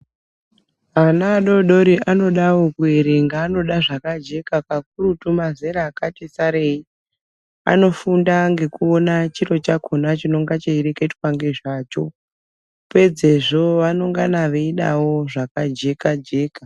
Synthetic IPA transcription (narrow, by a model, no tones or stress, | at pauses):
anaːɗo̞ɗo̞ɾiʔano̞ɗawokuiɾiŋɡaːno̞ɗaʐakad͡ʒe̞kakak̚urutumazeɾaːkatisaɾe̞i | a̰no̞fundaŋɡe̞kuo̞nat͡ʃiro̞t͡ʃakʰonat͡ʃino̞ŋɡat͡ʃeiɾekaitwaŋɡe̞ʐaːt͡ʃo̞̰ | pwed͡zeʐo̞ʋano̞ŋɡanaʋeiɗa̰wo̞ʐakad͡ʒe̞kad͡ʒe̞ːka